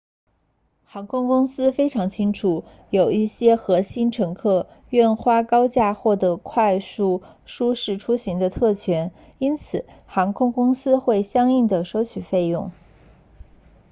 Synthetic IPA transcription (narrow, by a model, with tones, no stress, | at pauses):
xɑ˧˥ŋkʰʊ˥ŋkʊ˥ŋsɹ̩˥fe˥ɪʈ͡ʂʰɑ˧˥ŋt͡ɕʰi˥ŋʈ͡ʂʰu˨˩ | jo˨˩ʊi˥˩ɕjɛ˥xɤ˧˥ɕi˥nʈ͡ʂʰɤ˧˥ŋkʰɤ˥˩ | ɥɛ˥˩nxwa˥kɑ˥ʊt͡ɕja˥˧xwɔ˥˩d̪ə˧˥kʰwa˥˧ɪsu˥˩ | ʂu˥ʂɻ̩˥˩ʈ͡ʂʰu˥ɕi˧˥ŋd̪ə˧t̪ʰɤ˥˩t͡ɕʰɥɛ˧˥n | i˥nt͡sʰɹ̩˨˩˦xɑ˧˥ŋkʰʊ˥ŋkʊ˥ŋsɹ̩˥xwe˥˩ɪɕjɑ˥ŋi˥˩ŋd̪ə˩ʂɔ˧˥t͡ɕʰy˨˩fe˥˧ɪjʊ˥˩ŋ